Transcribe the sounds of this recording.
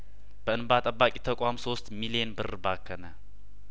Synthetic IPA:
b̥əɨnbat̪ʼəbːakʼit̪ʰəkʷʼamso̞st̪milijenbɨrbakʰːənə

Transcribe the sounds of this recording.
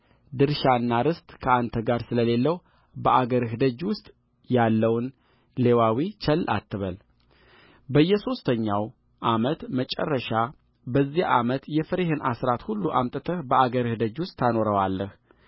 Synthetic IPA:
d̪ɨɾʃanːaɾɨst̪ʼkʰəant̪ʰəɡaɾsɨləle̞lːəw | bəʔaɡəɾhɨd̪əd͡ʒwʊst̪ʼ | jalːəwn | le̞wawit͡ʃʰəlːʔa̰t̪ʰːɨβəl | bəjːɛso̞st̪ʰəɲːaw | ʔamət̪mət͡ʃʼə̰rːəʃa | bəzːiʔamət̪jɛfəɾeɦɨnʔasɾat̪hulːuʔamt̪ʼət̪ʰəhbəaɡəɾhɨd̪əd͡ʒwʊst̪ʰːano̞ɾəwalːəh

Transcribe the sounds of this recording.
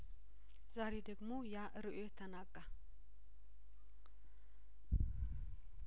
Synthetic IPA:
zaɾed̪əɡmo̞jaʔɨɾɨʔojɛt̪ʰənaɡʼːa

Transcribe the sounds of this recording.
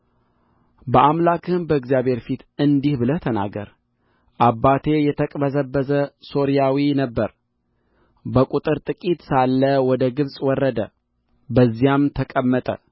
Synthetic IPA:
bəʔamlakʰɨnbəɨɡzijaβhe̞ɾfit̪ɨnd̪ihbɨlət̪ʰəna̰ɡə̰ɾ | ʔabːat̪ʰe̞jɛt̪ʰəkʼbəzəbːəzəso̞ɾijawinəbːəɾ | bəkʷʼut̪ʼɨɾt̪ʼɨkʼit̪salːəwɔd̪əɡɨβsʼwɔrːəd̪ə | bəzːijamt̪ʰəkʼəmːət̪ʼə̰

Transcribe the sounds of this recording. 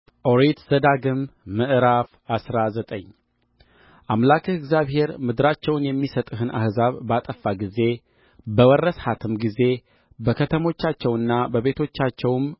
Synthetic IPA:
ʔoɾet̪z̥əd̪aɡɨmːɨʔɨɾaf | asɾazət̪ʼəɲː | ʔamlakʰəɨɡzjaβhe̞ɾmɨd̪ɨɾat͡ʃːɛwnjɛmːisət̪ʼɨhɨnʔa̰hzaβbat̪ʼəfːaɡize̞ | bəwərːəshat̪ʰɨmɡize̞ | bəkʰət̪ʰəmo̞t͡ʃːat͡ʃːɛwɨnːabəβe̞t̪ʰo̞t͡ʃːat͡ʃːɛwm

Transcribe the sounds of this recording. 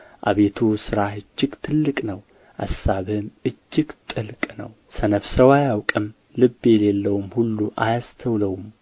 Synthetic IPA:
ʔa̰βe̞t̪ʰusɨɾahɨd͡ʒːɪɡt̪ʰɨlːɨkʼnəw | ʔasːaβɨmɨd͡ʒːɪɡt̪ʼɨlkʼnə̰w | sənəfsəwajawkʼɨm | lɨbːe̞lelːəwumhulːuʔajast̪ʰəwləwum

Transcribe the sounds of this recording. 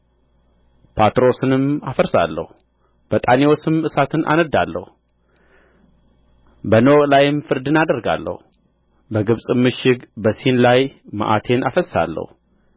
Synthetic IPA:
pʰat̪ɾo̞sɨnɨmafəɾsa̰lːə̰hu | b̥ət̪ʼaniwosɨmɨsat̪ʰɨnʔa̰nəd̪ːalːə̰hu | bənəwkʼlajɪmfɨɾd̪ɨnad̪əɾɡa̰lːə̰hu | bəɡɨβsʼɨmːɨʃɪɡbəsinlajma̰ʔat̪ʰe̞nʔafəsːa̰lːə̰hu

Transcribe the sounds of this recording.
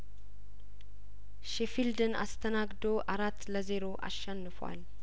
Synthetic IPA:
ʃefild̪əna̰st̪ʰənaɡd̪o̞ʔaɾat̪ːləze̞ɾo̞ʔa̰ʃːɛnːɨfwa̰l

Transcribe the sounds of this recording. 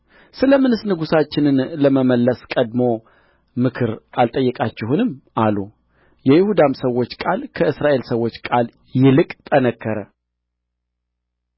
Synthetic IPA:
sɨləmɨnɨsnɨɡusat͡ʃːɪnɨnləməməlːəskʼəd̪mo̞ | mɨkʰɨɾʔalt̪ʼəjːɛkʼat͡ʃːɛhunɨmʔalu | jɛjɪhud̪amsəwo̞t͡ʃːkʼalkʰəʔɨsɾaʔe̞lsəwo̞t͡ʃːkʼal | jɪlɨkʼt̪ʼənəkːəɾə

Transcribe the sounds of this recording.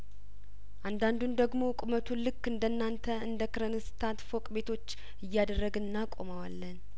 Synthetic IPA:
ʔand̪and̪und̪əɡmo̞kʼʊmət̪ʰulɨkːɨnd̪ənːant̪ʰəɨnd̪əkɨɾənɨst̪ʰat̪fo̞kʼbe̞t̪ʰo̞t͡ʃː | ɨjːad̪ərːəɡɨnːakʼo̞məwalːən

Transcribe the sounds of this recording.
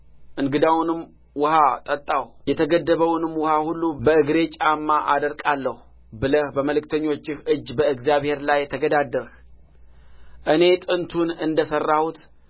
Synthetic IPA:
ʔɨŋɡɨd̪awnɨm | wʊhat̪ʼət̪ʼːawjɛt̪ʰəɡəd̪ːəβəwnɨmwʊhahulːubəɨɡɾe̞t͡ʃʼamːaʔad̪əɾkʼalːəhu | bɨləhbəməlɨk̚t̪ʰəɲːo̞t͡ʃːɪhɨd͡ʒːbəɨɡzijaβhe̞ɾlajːt̪ʰəɡəd̪ad̪ːəɾh | ʔɨne̞t̪ʼɨnt̪ʰunɨnd̪əsərːahut̪

